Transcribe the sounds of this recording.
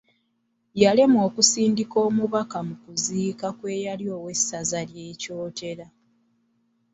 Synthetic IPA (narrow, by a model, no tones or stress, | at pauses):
jalemo̞ːkusiːndiko̞ːmuβakamukuziːkakwe̞ːjaljo̞ːwe̞sazalje̞ːco̞ːtʰe̞ɾa